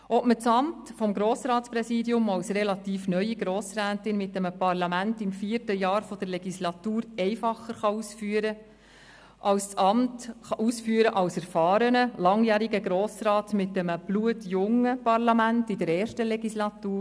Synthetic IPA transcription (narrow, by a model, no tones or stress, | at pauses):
ʔɔpmət͡sɑmtfɔmɡɾoːsɾɑːtt͡spɾɛsiːdjʊmɑwsrɛlɑtiːfnœʏiɡɾoːsɾæːtɪnmɪt̚dɛməpɑɾlɑmæntɪmfiərtəjɑːɾfɔd̥əɾlɛɡislɑtuːɾɛɪfɑχːəɾχɑuːsfyːəɾə | ʔɑwsɑmtχɑʔuːsfyːəɾəʔɑlsɛɾfɑːɾənəlɑŋjæːɾiɡəɡɾoːsɾɑːtmɪtːɛməb̥luətjʊŋəpɑɾlɑmæntɪdəɾɛːɾʃtəlɛɡislɑtuː